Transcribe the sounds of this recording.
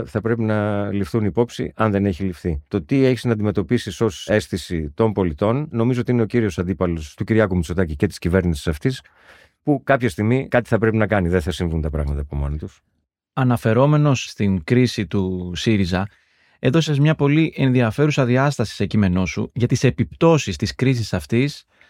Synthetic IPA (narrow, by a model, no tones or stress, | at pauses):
θɐpɾe̞pinɐlifθunipo̞psḭɐnðe̞ne̞çilifθit̪o̞t̪ie̞çiznɐnd̪ime̞t̪o̞pisiso̞se̞sθisit̪o̞mpo̞lit̪o̞nːo̞mizoo̞t̪iine̞o̞ciɾio̞sɐnd̪ipɐlo̞st̪uciɾʝɐkumit͡so̞t̪ɐcice̞t̪i̥scive̞ɾnisi̥sɐft̪is | pukɐpçɐst̪iɣmikɐt̪i̥θɐpɾe̞pinɐkɐniðeθɐsiɱvunt̪ɐpɾɐ̰ɣmɐt̪ɐːpo̰mo̞̰not̪us | ɐnɐfe̞ɾo̞me̞no̞sst̪iŋkɾisit̪usiɾizɐ | e̞ðo̞sezmɲɐpo̞liʔẽ̞nðiɐfe̞ɾusɐðiɐst̪ɐsi̥se̞cime̞no̞sṵʝɐt̪ise̞pipt̪o̞sist̪iskɾis̬isɐft̪is